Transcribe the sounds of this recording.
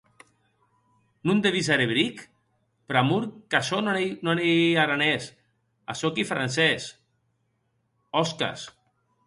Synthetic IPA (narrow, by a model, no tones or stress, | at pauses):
nund̪eβizaɾeβɾik | pɾamuɾkasonnaneaɾanes | a̰sokifɾa̰nsɛs | ɔska̰s